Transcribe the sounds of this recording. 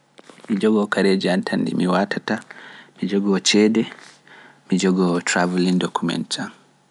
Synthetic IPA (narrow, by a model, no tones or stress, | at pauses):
mid͡ʒɔɡɔkaɾed͡ʒiantʰandḭmiwatʰatamid͡ʒɔɡɔt͡ʃɛːdɛ | mid͡ʒɔɡɔtɾavulindɔkʰumɛ̰ntʰa